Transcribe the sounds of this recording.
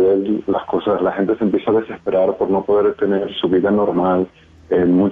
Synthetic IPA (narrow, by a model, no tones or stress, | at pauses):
ðelːasko̞saslaxe̞nt̪e̞sempje̞saðese̞spe̞ɾaɾpo̞ɾno̞po̞ðe̞ɾt̪e̞ne̞ɾsuβiðano̞ɾmal | enmũt͡ʃ